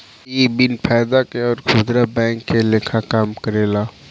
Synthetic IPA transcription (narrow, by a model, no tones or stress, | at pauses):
iːbɪnpʰaːjd̪akeɔːɾkʰʊd̪ɾabɛ̃ːŋkːeleːkʰakaːmkəɾeːlaː